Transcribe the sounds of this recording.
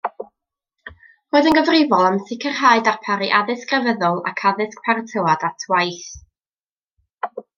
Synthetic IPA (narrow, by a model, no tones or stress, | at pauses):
roːɨðənɡəvrɪvɔlˠamθɪkʰərhaːɨdapʰaɾiʔaðɪskrəvəðɔlˠa̰kʰaðɨsk̚pʰartʰəwadatʰwajθ